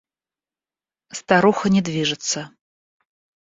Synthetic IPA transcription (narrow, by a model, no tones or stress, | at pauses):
st̪aɾuxɐnʲɛd̪vʲiʐɨt̪sːɐ